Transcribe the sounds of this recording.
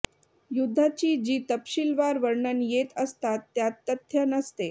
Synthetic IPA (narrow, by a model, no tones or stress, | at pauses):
jud̪ʱːat͡ɕiːd͡ʑiːt̪əpɕilʋaɾʋəɾɳənjet̪əst̪at̪ːjat̪ːət̪ʰjənəst̪e